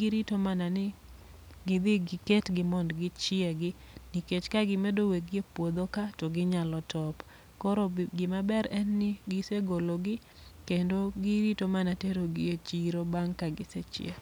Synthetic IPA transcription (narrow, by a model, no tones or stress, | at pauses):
ɡɪɾitomananɪ | ɡɪd̪ɪɡɪketɡɪmɔndɡɪt͡ʃɪɛɡɪ | niket͡ʃkaɡɪmedoweɡɪepwod̪okatoɡɪɲalɔtʰɔp | kɔɾoɡɪmabɛɾɛnːɪɡɪseɡoloɡɪ | kendoɡɪɾitomanateɾoɡɪet͡ʃiɾobaŋkaɡɪset͡ʃɪ̰ḛ